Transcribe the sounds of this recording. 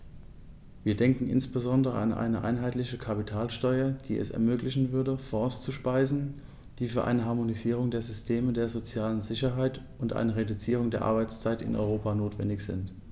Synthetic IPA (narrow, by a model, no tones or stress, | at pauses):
viːɐdɛŋkŋ̩ʔɪ̰nsb̥əzɔndəʁə̰ʔa̰nʔa̰ɪnəʔa̰ɪnɦaɪtlɪçəkʰapitʰaːlʃtɔʏɐd̥iːɛ̰sɛ̰ɐmøːklɪçn̩vʏɐdəfɔst͡suʃpaɪzn̩ | d̥iːfyːɐʔa̰ɪnəɦaɐmoniziːʁ̞ʊŋdeːɐzʏstʰeːmədeːɐzot͡sjaːlənzɪçɐɦaɪt | ʊntʔa̰ɪnəʁedut͡siːʁ̞ʊŋdeːɐʔa̰ɐbaɪt͡st͡saɪtɪ̰nʔɔ̰ʏʁoːpanoːtv̥ɛ̰ndɪçz̥ɪ̰nt